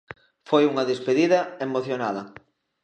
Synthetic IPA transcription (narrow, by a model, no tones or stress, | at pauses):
fojuŋɐðespeðiðɐemoθjonaðɐ